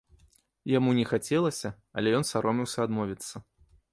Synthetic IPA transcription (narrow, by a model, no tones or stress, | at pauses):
jamunʲɛxat͡sʲɛlˠɐsʲɐ | ɐ̰lʲɛjɔnsaɾɔmʲiwsʲɐad̪mɔvʲit̪sːɐ